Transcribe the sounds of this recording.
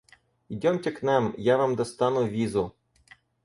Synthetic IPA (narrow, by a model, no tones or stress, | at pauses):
idʲɔmtʲɐknɛmjaʋɑmd̪ɔst̪ɑnʊʋʲizʊ